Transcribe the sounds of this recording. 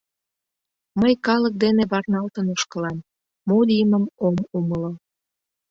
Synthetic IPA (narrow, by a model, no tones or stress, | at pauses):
məjkɑlək̚d̪eneβɑrnɑlt̪ənoʃkəlɑmː | od̪iməmomuməlo